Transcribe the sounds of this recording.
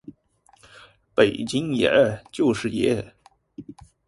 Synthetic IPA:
pe˨˩ɪt͡ɕi˥ŋjɛ̰˧˥t͡ɕjo˥˧ʊʂɻ̩˥˩jɛ˥

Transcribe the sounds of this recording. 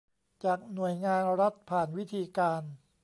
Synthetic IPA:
t͡ɕaː˨˩k̚nu˨˩əjŋaː˧nɾa˦˥t̪̚pʰaː˨˩nwi˦˥t̪ʰiː˧kaː˧n

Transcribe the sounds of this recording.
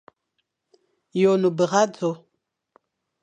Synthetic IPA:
jo˨nu˨bə˨ɣa˦d͡zo˨˦

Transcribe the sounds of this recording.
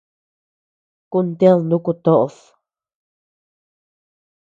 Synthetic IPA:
ku˧nt̪e˦lnd̪ũ˦ku˧t̪o˦ʔo˧θ

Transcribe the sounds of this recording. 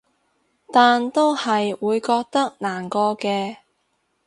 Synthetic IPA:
t̪aː˨nt̪o˥whɐ˨jwuː˨˧jkɔː˧k̚t̪ɐ˥k̚naː˨˩nkɔː˧kɛː˧

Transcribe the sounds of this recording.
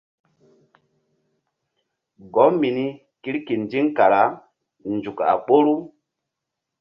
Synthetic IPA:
ɡɔ˨˦mi˨ni˦ | ki˦ɾki˨nd͡ʒi˦ŋka˨ɾa˨˦ | nd͡ʒu˨ka̰˨k͡po˦ɾu˦

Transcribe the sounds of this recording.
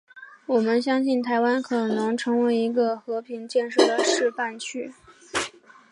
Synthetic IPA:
wɔ˨˩mə˦nɕjɑ˥ŋɕi˥˩nt̪ʰa˧˥ɪwa˥nkʰɤ˨˩nɤ˧˥ŋʈ͡ʂʰɤ˧˥ŋwe˧˥ɪi˧˥ɡə˧xɤ˧˥pʰi˧˥ŋt͡ɕjɛ˥˧nʂɤ˥˩d̪ə˩ʂɻ̩˥˧pa˥˧nt͡ɕʰy˥˩

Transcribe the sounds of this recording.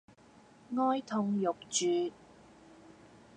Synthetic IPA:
ŋɔː˥jt̪ʰʊ˧ŋjʊ˨k̚t͡ʃyː˨˧

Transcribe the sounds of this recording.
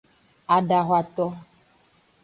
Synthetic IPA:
a˨ɖa˨ɦwa˨t̪ɔ˦

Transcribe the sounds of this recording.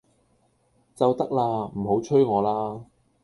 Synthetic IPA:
t͡sɐ˨wt̪ɐ˥k̚laː˧m̩˨˩ɦo˨˥wt͡ʃʰɵ˥ɥŋɔː˨˧laː˥

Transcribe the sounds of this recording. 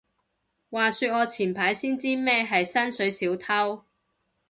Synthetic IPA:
waː˨syː˧t̚ɔː˨˧t͡sʰiː˨˩npʰaː˨˥jsiː˥nt͡siː˥mɛː˥ɦɐ˨jsɐ˥nsɵ˨˥ɥsiː˨˥wt̪ʰɐ˥w

